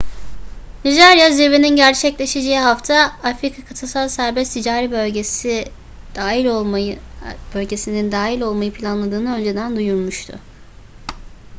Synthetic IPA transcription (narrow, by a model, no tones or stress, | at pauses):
nid͡ʒaɾijaziɾve̞ninɟæɾt͡ʃʰɛclʲe̞ʃed͡ʒeiɦaft̪ʰaafɾikʰakʰat̪ʰɯsalˠsæɾbɛst̪ʰid͡ʒaːɾibøɟesi̥ | i | bø̞lʲɟe̞sinind̪aːɦilʲo̞lˠmajɯpʰilʲanlˠad̪ɯːnɯø̞nd͡ʒe̞d̪ænd̪ujuɾmuʃt̪ʰʊ̰